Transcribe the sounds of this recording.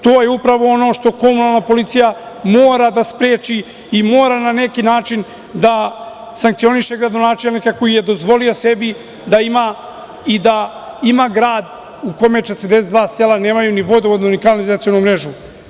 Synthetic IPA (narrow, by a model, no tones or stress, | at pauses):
t̪o̞ːjeupɾaʋo̞o̞no̞ːʃt̪o̞ko̞munalˠnapo̞lit̪sijamoːɾad̪aspɾeːt͡ʃiː | mo̞ːɾanane̞kinaːt͡ʃin | d̪a | saŋkt̪sio̞niʃe̞ɡɾad̪o̞naːt͡ʃelnikako̞jije̞d̪o̞zʋo̞lio̞se̞bi | d̪aima | id̪a | imaɡɾaːd̪ | ukomet͡ʃe̞t̪əɾd̪esetd̪vʋaːselaneːmajuniʋo̞d̪ood̪uunikanlizat̪sijonumɾe̞ʒu